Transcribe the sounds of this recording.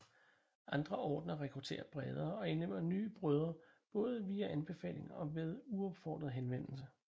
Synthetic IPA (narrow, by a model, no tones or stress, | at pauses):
ʔɑ̈nd̥ʁɐʔɒːd̥nɐʁɛkʰʁut͡sʰe̝̰ːɐb̥ʁɛð̞ˠɐɒ̽e̝nlem̰ɐny̰ːb̥ʁœð̞ˠɐb̥ɔ̽ːð̞ˠəʋiːæʔænb̥e̝fɛ̰ːle̝ŋɒ̽ʋe̝ð̞ˠuɒ̽b̥fɒ̰ːd̥ʁɐð̩ˠɦenʋen̰l̩sə